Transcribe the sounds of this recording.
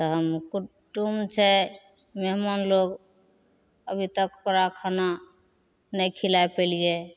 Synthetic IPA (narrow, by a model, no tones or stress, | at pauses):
t̪ɔɦəmkuʈumt͡ʃʰɛ | meɦmanloɡ | əbʱit̪əkokɾakʰana | nəjkʰilajpelije